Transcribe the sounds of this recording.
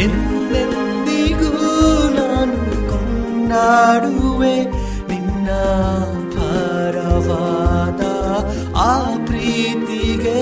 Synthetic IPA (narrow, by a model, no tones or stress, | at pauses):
en | len | d̪iɡunanu | kɔn | ɖaːɽuʋe | ʋinːɐ | t̪aː | ɾɐʋad̪a | aːpɾiːt̪iɡe